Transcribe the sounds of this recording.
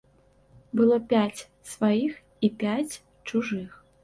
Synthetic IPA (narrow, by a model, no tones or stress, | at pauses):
bɨlˠɔpʲat͡sʲ | svajix | ipʲat͡sʲ | t͡ʂuʐɨx